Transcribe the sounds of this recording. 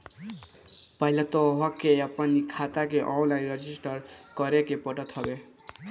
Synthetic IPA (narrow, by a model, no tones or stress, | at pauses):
pajlat̪oɦʌkejapʌnikʰat̪ak̬eʔɔ̃wlajnɾʌd͡ʒisʈʌɾkʌɾekepʌʈʌt̪ʰʌbe